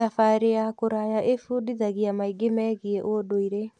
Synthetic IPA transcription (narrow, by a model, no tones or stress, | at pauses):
afaɾejakoɾajaʔefuːdiðaɣiamaiɡemɛːɣieʔodoiɾe